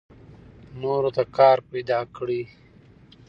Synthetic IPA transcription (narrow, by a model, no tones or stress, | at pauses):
noːɾot̪akɑːɾpajd̪ɑːkɽi